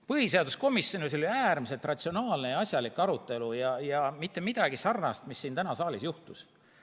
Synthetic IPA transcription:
pɤhise̞ɑd̪usko̞misjo̞nilsoliæːrmise̞lt̪rɑt̪ʲsio̞nɑːlnejɑɑsʲjɑlikːˑɑɾut̪ˑːe̞lujɑjɑmit̪ːˑe̞mid̪̥ɑɡ̥isɑrnɑst̪misːiːnt̪ænɑsɑːlisjuht̪us

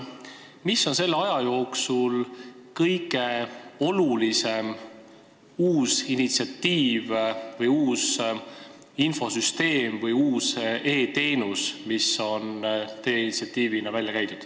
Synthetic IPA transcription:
misːo̞nse̞lːeɑjɑjo̞ːksulkɤjɡeo̞lulise̞m | uːsinit̪siɑt̪ːiːvvɤjuːs | info̞syst̪e̞ːmvɤjuːse̞ːt̪e̞ːnusmiso̞nt̪ejeinit̪siɑt̪ːˑiːvinɑvælʲjɑkæjt̪ut̪

